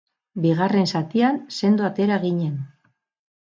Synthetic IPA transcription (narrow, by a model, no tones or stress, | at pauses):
biɣare̞nsat̪ianse̞nd̪uat̪e̞ɾaɣiɲe̞n